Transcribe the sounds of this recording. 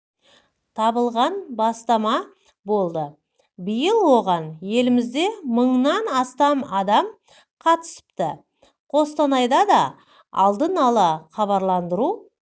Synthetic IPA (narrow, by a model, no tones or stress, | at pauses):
t̪ʰɑbəlˠʁɑnbɑst̪ɑmɑ | bo̞lˠd̪ə | bəjəlˠwo̞ʁɑnje̞lɪmɪzd̪e̞məɴnɑnɑst̪ɑmɑd̪ɑm | qʰɑt̪ə̥sə̥p̚t̪ə | qʰo̞st̪ɑnɑjd̪ɑd̪ɑ | ɑ̰lˠd̪ənɑlˠəχɑβɑɾlˠɑnd̪əɾu